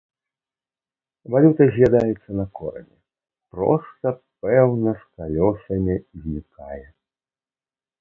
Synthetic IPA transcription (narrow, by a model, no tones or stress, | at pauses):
valʲut̪ɐzʲlʲad̪ajɛt̪sːɐnɐkɔɾɐ̰nʲɛ | pɾɔ̰st̪ɐp̚ɛwnɐskalʲɔsɐmʲizʲnʲikajɛ